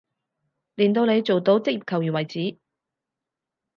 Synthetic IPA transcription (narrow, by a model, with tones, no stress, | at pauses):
liː˨nt̪o˧wne˨˧jt͡so˨wt̪o˨˥wt͡sɪ˥k̚i˨p̚kʰɐ˨˩wjy˨˩nwɐ˨˩jt͡siː˨˥